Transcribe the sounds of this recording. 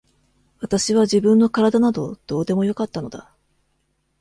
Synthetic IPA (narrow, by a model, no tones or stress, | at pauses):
βat̪aɕiβ̞aʑibɯ̟̃nːo̞kaɾad̪anad̪o̞d̪̥o̞ːd̪e̞mo̞jo̞kat̪ːano̞d̪a̰